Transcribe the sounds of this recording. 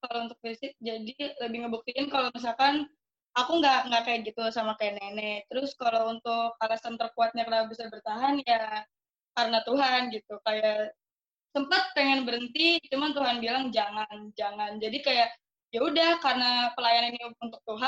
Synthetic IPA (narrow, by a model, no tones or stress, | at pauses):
kalount̪ʊk̚fisɪk̚d͡ʒadiləbɪhŋɡabuk̚t̪iɪnkalomis̬alkan | akuŋɡaʔŋɡakajat̚ɡit̪usamakajanenɛt̪əɾʊskalount̪ʊk̚alasəmt̪ərkuat̪̚ɲakənabisabərt̪aɦanja | kaɾənat̪uɦanɡit̪ukajaʔ | səmpat̪̚pəŋanbəɾənt̪it͡ʃumant̪uɦanbilaŋd͡ʒaŋand͡ʒaŋand͡ʒadikajaʔ | jaudahkaɾənapəlajaniniunt̪ʊk̚t̪uɦa